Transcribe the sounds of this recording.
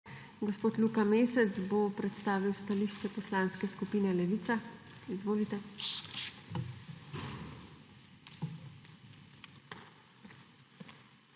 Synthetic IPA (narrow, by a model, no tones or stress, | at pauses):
ɡospoːt̪lukameːsɛt̪sbopɾɛt̪st̪aːʋiwst̪aliʃt͡ʃɛpɔslaːnskɛskupiːnɛlɛʋiːt̪sa | izʋoːlit̪ɛ